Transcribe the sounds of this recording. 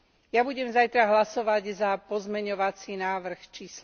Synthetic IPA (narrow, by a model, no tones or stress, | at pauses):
jabuɟɛmzajt̪ɾaɦlasɔʋaɟzapɔzmɛɲɔʋat͡sinaːʋr̩xt͡ʃiːs